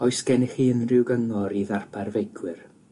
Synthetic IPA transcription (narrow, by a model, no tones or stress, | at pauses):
ɔɨsɡ̥ɛnɛχiːənrɪwɡəŋɔɾiðarpʰarvejkʰwɪr